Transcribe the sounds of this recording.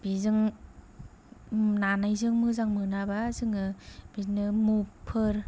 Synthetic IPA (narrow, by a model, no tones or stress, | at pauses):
bizɯŋ | nanajzɯŋmɯzaŋmɯnabazɯŋɯb̥inɯmupʰɯɾ